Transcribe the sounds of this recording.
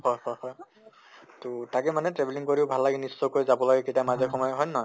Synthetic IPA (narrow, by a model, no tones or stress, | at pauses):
hɔjhɔjhɔj | totakɛmanɛtɹɛbʱɛliŋkoɹiʊbʱalːaɡɛnisːɔkojzabɔlaɡɛketiamazɛxɔmɔjɔɦɔjnɔ